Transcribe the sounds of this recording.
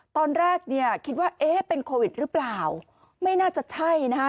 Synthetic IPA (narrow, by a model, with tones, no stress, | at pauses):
t̪ɔː˧nɾɛː˥˩k̚ni˥˩ɐkʰi˦˥t̪̚waː˥˩ʔeː˦˥pe˧nkʰoː˧wi˨˩t̪̚ɾɯː˦˥plaː˨˩w | ma˥˩jnaː˥˩t͡ɕa˨˩t͡ɕʰa˥˩jna˦˥